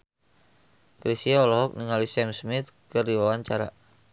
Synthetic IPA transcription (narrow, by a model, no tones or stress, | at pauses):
kɾisiaɔlɔɦɔk̚niŋalisɛmsmit̪̚kɨrdiwawaɲt͡ʃaɾa̰